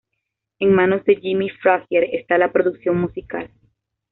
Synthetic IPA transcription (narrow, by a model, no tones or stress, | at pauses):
e̞ŋmãno̞zd̪e̞d͡ʒimifɾaxjeɾest̪alapɾo̞ðuksjo̞ŋmusika̰l